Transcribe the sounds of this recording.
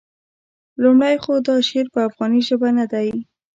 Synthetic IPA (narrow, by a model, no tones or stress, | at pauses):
lumɽajxod̪ɑʃeɾpəafɣɑniʒəbanad̪aj